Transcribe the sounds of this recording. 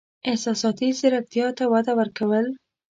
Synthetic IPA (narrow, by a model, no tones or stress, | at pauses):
ɪhsɑsɑt̪izɪɾak̚t̪jɑt̪awad̪awəɾkawəl